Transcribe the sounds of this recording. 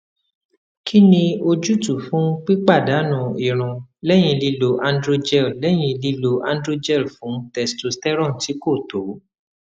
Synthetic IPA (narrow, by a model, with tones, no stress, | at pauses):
kʰi˦nĩ˧o˧d͡ʒu˦tu˨fũ˦k͡pi˦k͡pa˦˨da˨˦nũ˨i˨ɾ̃ũ˧lɛ˦j̃ĩ˧li˧lo˧ʔã˧ndɾo˧d͡ʒɛ˦˨llɛ˦j̃ĩ˧li˧lo˧ʔã˧n˦dɾo˦d͡ʒɛ˦˨fũ˨˦tɛ˦˧sto˧stɛ˦ɾɔ̃˦˨n̩˨ti˨˦ko˦˨to˨˦